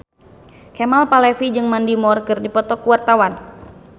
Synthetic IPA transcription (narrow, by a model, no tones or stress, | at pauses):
kemalpalɛfid͡ʒɨŋmandimɔrkɨrdipɔt̪ɔkuwart̪awan